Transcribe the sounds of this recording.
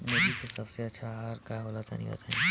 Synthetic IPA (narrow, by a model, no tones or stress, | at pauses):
med͡ʒit̪osɐbseɐtːʃʰaɦaːɾkaɦoːlat̪a̰nḭ̃bɐ̰t̪ʰaẽ